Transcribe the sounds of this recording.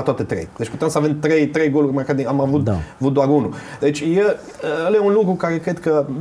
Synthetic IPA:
at̪oat̪et̪ɾejd̪̥e̞t͡ʃput̪emsəavemt̪ɾe̞jt̪ɾe̞jɡo̞lurʲmarkaɾd̪iamavut̪d̪aavut̪̚d̪oaɾunud̪e̞t͡ʃʲjel | əəljeunlukɾukaɾe̞kɾe̞d̪kə

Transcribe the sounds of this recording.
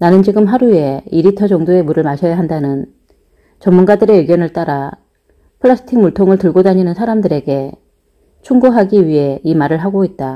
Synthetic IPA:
nanɯnd͡ʑiɡɯmɦaɾue̞iɾitʰʌd͡ʑʌŋdoe̞muɾɯɭmaɕʰʌjaɦandanɯn | t͡ɕʌmːunɡadɯɾe̞eɡjʌnɯɭt͈aɾa | pʰɯɭːas͈ʰɯ̥tʰiŋmuɭtʰoŋɯɭtɯɭɡodaɲinɯnsʰaɾamdɯɾe̞ɡe̞ | t͡ɕʰuŋɡuɦaɡiɥiɦe̞imaɾɯɭɦaɡoit̚t͈a

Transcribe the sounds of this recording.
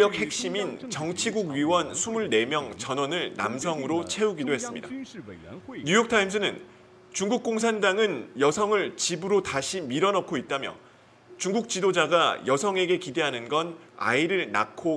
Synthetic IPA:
ʌk̚he̞k̚ɕ͈imint͡ɕʌŋt͡ɕʰiɡuɡɥiwʌnsʰumuɭne̞mjʌŋt͡ɕʌnwʌnɯɭna̰msʰʌŋɯɾot͡ɕʰe̞uɡidoɦe̞s͈ɯmɲida | ɲujʌk̚tʰaims͈ʰɯnɯn | t͡ɕuŋɡuk̚k͈oŋs̬ʰandaŋɯnjʌsʰʌŋɯɭt͡ɕibɯɾotaɕʰimiɾʌnʌp̚k͈ʰoit̚t͈amjʌ̰ | t͡ɕuŋɡuk̚t͡ɕ͈idod͡ʑaɡajʌsʰʌŋe̞ɡe̞kide̞ɦanɯnɡʌn | a̰iɾɯɭna̰kʰo

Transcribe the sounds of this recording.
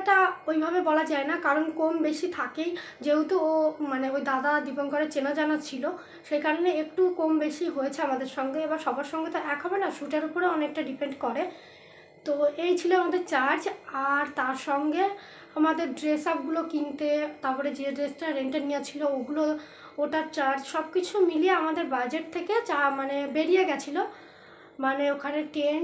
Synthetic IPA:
ʈaojbʱabebɔlad͡ʑaenakaɾonkombeʃit̪ʰakej | d͡ʑeut̪oomaneojd̪ad̪ad̪ipoŋkoɾet͡ɕenad͡ʑanat͡ɕʰilo | ʃejkaɾoneek̚ʈukombeʃiɦojet͡ɕʰeamad̪eɾʃɔŋɡeebaɾʃɔbʱaɾʃɔŋɡet̪oʔɛkɦɔbenaʃuʈeɾupoɾeɔnek̚ʈaɖipeɳɖkɔɾe | t̪oejt͡ɕʰiloamad̪eɾt͡ɕaɾd͡ʑaɾt̪aɾʃɔŋɡe | amad̪eɾɖɾesap̚ɡulokint̪et̪apɔɾed͡ʑeɖɾesʈaɾeɳʈaɾnijet͡ɕʰilooɡulo | oʈaɾt͡ɕaɾd͡ʑʃɔbkit͡ɕʰumilieamad̪eɾbad͡ʑeʈ̚t̪ʰːeket͡ɕamanebeɾijeɡɛt͡ɕʰilo | maneokʰaneʈen

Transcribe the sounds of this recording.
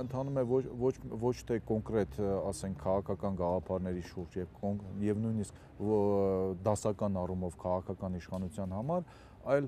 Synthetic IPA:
ənt̪ʰɑnumɛvɔvɔt͡ʃʰvɔt͡ʃʰt̪ʰɛkɔŋkɾɛt̪ɑsɛŋkʰːɑʁɑkʰɑkɑnɡɑʁɑpʰɑɾnɛɾiʃuɾd͡ʒjɛvkɔjɛvnujnisk | d̪ɑsɑkɑnɑrumɔvkʰɑʁɑkʰɑkɑniʃχɑnut͡sʰjɑn̪ɦɑmɑɾ | ɑjl

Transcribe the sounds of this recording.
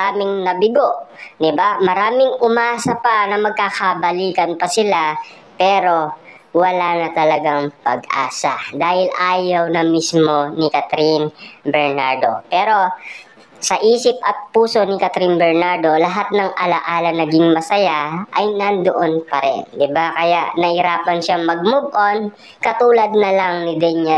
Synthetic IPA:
aːmɪŋnɐbɪɡoʔd̪ɪbamɐɾaːmɪŋʔʊmaːsɐpɐnɐmɐɡ̚kakɐbɐliːkɐnpɐsɪla | pɛːɾo̞ | wɐlaːnɐt̪ɐlɐɡaŋpɐ̰ɡʔa̰ːsɐd̪aːhɪlʔaːjɐwnɐmismo̞nɪkɐt̪ɾinbɛɹnaɹd̪o̞̰pɛːɾo̞ | sɐʔiːsɪp̚ʔɐt̪̚puːso̞nɪkɐt̪ɾinbɛɹnaɹd̪o̞lɐɦat̪̚nɐŋʔɐlɐʔaːlɐnɐɡɪŋmɐsɐjaʔɐjnɐnd̪oʔonpɐɾɛ̰nd̪ɪbakɐjaʔnɐhɪɾaːpɐnʃaŋmɐɡ̚mʊɡʔon | kɐt̪uːlɐd̪̚nɐlaŋnɪd̪ɛnjɛ

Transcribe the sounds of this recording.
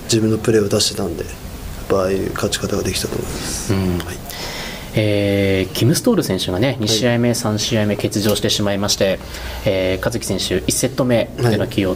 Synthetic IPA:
d͡ʑibɯ̟̃nːo̞pɯ̟ɾe̞od̪aɕi̥t̪et̪ãnd̪e̞ | pːaːiɯ̰kat͡ɕi̥kat̪aɡad̪e̞kʲi̥t̪at̪o̞̰ːmo̞imasɨ̥ɯ̟̃ɴ | eːkʲʰimɯ̟sɨ̥t̪o̞ːɾɯ̟sẽ̞ɰ̃ɕɨɡane̞ɲ̟iɕiaime̞sãɕiaime̞ke̞t͡sɨʑo̞ːɕi̥t̪e̞ɕimaimaɕi̥t̪e̞ | eːkazɨkʲi̥sẽɰ̃ɕɨʔisːe̞t̪ːo̞me̞eɡakʲʰijo̞ː

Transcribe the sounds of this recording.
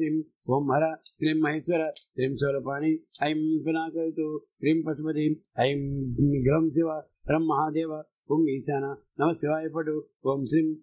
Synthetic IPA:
ɾim | oːmɦɐɾɐsɾimːɐɦiːsʋɐɾɐsɾiːmsoːlɐpaːɳiɐjimpinaːkɐɾt̪ukɾiːmpɐt̪pɐt̪imɐjiɡɾɐmsiʋa | ɐɾɐmːɐɦaːd̪eːʋɐ | oːmiːsaːna | nɐmɐsiʋaːipɐʈu | oːmsɾim

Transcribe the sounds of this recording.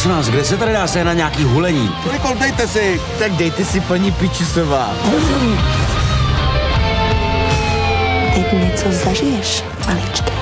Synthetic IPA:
t͡sonaːsɡdɛsɛt̪adɪdaːsɛnaɲaːkiːɦulɛɲḭːt̪olɪkolt̪ɛjt̪ɛsɪ | t̪aɡ̚dɛjt̪ɛsɪpaɲipɪt͡ʃusovaːoɾoi | t̪ɛcɲɛt͡sozaʒɪjɛʃ | alɪt͡ʃt̪ɛ̥

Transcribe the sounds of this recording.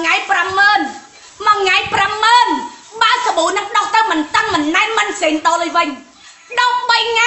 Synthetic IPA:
ŋajpramːəːn | mɔŋaɛjpramːəːnɓaəsaɓuːnɨŋɗɑht̪ɨwmɨnt̪əŋmɨnːaɛmɨnseːnɗɑːləːjʋɨɲ | ɗɑk̚ɓəjŋa

